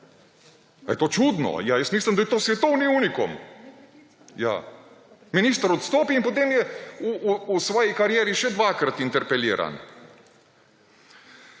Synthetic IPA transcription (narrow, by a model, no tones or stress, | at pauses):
a̰jɛt̪oːt͡ʃud̪nɔ̰jaːjasmiːslʲamd̪ajɛt̪osʋʲɛt̪owniuːniko̰m | ja̰ | minist̪aɾot̪st̪oːpiːnpot̪̬eːmjɛuusʋoːjejkaɾijɛːɾiʃɛd̪ʋaːkɾat̪int̪ɛɾpɛliːɾa̰n